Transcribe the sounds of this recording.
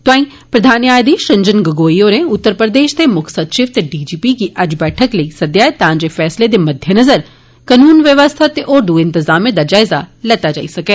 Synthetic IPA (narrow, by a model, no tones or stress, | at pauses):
t̪oãːĩ | pɾɐd̪ʱaːnjaːd̪iʃɐ̃ɲd͡ʒənɡɐɡoːijoneʊt̪ːəɾpɾəd̪eːʃt̪emʊkʰsɐt̪ʃɪʋt̪ɖiːd͡ʒiːpikiʔɐd͡ʒbɛːʈʰəklɐisɐd̪jaːjt̪ɐãɲd͡ʑefɛːsled̪emɐd̪ʱjənɐzəɾ | kɐnuːnʋjəʋəst̪ʰat̪eʔoːɾd̪uɪ̃nt̪ɪzaːmied̪ad͡ʒaːɪzalɐt̪ad͡ʒa̰ːisɐkeː